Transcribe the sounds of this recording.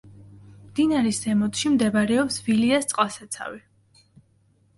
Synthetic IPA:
md̪inaɾɛsɛmɔt̪ʰʼʃimd̪ɛbaɾɛɔpsviliast̪sʼqʼasat̪sʰa̰vi

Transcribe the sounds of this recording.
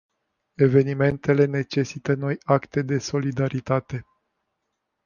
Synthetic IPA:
e̞ve̞nime̞nt̪e̞le̞ne̞t͡ʃe̞sit̪əno̞jakt̪e̞d̪e̞so̞lid̪aɾit̪at̪e̞

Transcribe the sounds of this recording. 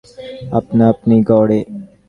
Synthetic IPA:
ə̰pnaːəpniːɡɔːɽeː

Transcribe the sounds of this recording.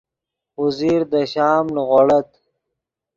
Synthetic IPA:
huziːɾd̪əɕaːmnɣoɽɐt̪

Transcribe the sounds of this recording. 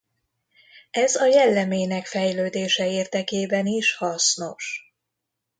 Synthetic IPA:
ɛzɒjɛlːɛmeːnɛkfɛjløːd̪eːʃɛeːrd̪ɛkeːbɛniʃhɒsno̞ʃ

